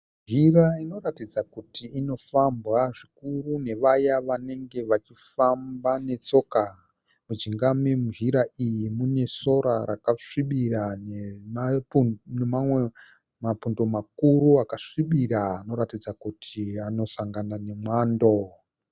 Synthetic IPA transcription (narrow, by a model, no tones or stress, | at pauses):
ʒiraino̞ratid͡zakutiːno̞fambɣaʐikurune̞ʋajaʋane̞ŋɡe̞ʋat͡ʃifambane̞t͡so̞ːka | mud͡ʒiŋɡamemuʒiɾaʔijimune̞so̞ɾaɾakaʂiɓiranemanemamwe̞ | mapundo̞makuɾuakaʂiɓiɾaːno̞ɾatid͡zakutʰiano̞saŋɡanane̞mwaːndo̞